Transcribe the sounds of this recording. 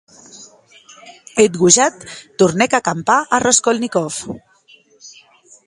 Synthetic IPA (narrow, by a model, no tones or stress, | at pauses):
et̪ɣuʒat̪ːuɾnɛkakampaʔarʔɔskolnikɔf